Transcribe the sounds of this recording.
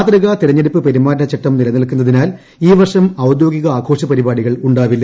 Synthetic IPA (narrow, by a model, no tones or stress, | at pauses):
t̪rɐɣɐt̪iɾɐɲːeɽipːɨpeɾimːaːɾnɐt͡ɕɐʈːɐmnilɐniɐlkːunːɐðinaːl | iːʋɐrʂɐmɐwd̪jo̞ːɡiɣɐaːɡʰʱo̞ːʂɐpɐɾibaːɽiɣɐɭuɳɖaːʋilːɐ